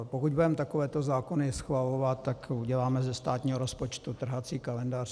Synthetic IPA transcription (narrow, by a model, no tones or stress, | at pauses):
pokuɟ̚budɛmt̪ako̞vɛːt̪ozaːkonɪsxvalovat̪t̪ːakuɟɛlaːmɛzɛst̪aːt̪ɲiːɦoɾospot͡ʃt̪ut̪r̩ɦat͡siːkalɛndaːr̥